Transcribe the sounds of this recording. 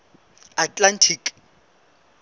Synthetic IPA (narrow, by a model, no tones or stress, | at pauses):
atʼlantʰikʼ